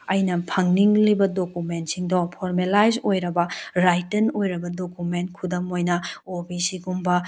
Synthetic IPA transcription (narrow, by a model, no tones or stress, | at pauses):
ɐjnɐpʰɐŋniŋlibɐdokument̚siŋdopʰoɾmelajzojɾɐbɐɾajtɐnojɾɐbɐdokumentkʰudɐmojnɐobisiɡumbɐ